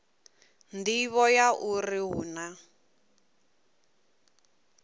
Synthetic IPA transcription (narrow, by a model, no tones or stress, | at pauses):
ndiβɔjaʔuriɦṵna